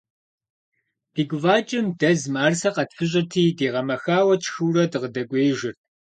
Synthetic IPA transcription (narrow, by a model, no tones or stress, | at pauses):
b̥ʰiːɡʷʼʊvaːt͡ʃʼɪmdɐzmaːrsɐqɐtfɨɕ̬ʼɪtʰiːdeːʁɐmɐxaːwɐt͡ʃʰxɨwrɐdɨʁədɐkʷʼeːʒɪrtʰ